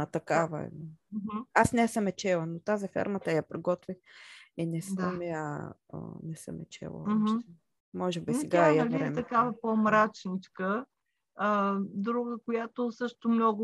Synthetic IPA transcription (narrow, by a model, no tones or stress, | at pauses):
ɐt̪ɐkavə̰ɛ̰ɦ̩asnɛsəmɛt͡ʃɛlˠənot̪azifɛ̰ɾmət̪əjapɾiɡɔt̪vixɛnɛsəmɛa̰ | nɛsə̰mɛ̰t͡ʃɛ̰lˠə̰ʃ̩ɛ | mɔʒɛbisɛɡajalɾɾɛmt̪ɐkavəpomɾat͡ʃnit͡ʃkəː | d̪ɾuɡəkojat̪ʊsɤʃt̪omnɔɡʊ